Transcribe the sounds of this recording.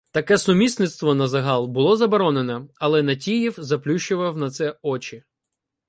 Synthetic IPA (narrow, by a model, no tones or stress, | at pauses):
t̪ɐkɛsʊmʲisʲnɪt̪st̪ʋɔnɐzɐɦɑlˠbʊlˠɔzɐbɔɾɔnenɛɐlˠɛnɐtʲijiwzɐplʲuʃt͡ʃʊʋɐwnɐt̪sɛɔt͡ʃɪ